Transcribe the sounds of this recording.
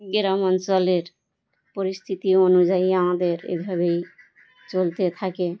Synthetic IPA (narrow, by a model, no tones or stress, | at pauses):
ɡiɾamɔnt͡ɕoleɾ | poɾist̪ʰit̪ionud͡ʑaiamad̪eɾḛbʱaβej | t͡ɕolt̪et̪ʰake